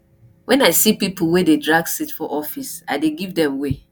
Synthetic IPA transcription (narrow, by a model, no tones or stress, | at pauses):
wɛ̃naɪsipipl̩ˠwededɹaɡsitfɔʔɔfisa̰ɪdeɡivdɛ̃mwe